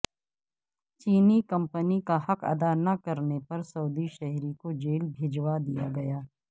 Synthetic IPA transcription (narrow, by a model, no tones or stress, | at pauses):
t͡ʃiːnikɐ̃mpənikaɦɐkɐ̰d̪anɐkɐɾnepɐɾsɐːd̪iʃɛɦɾikod͡ʒeːlbʱeːd͡ʒwad̪ijaɡɐjaː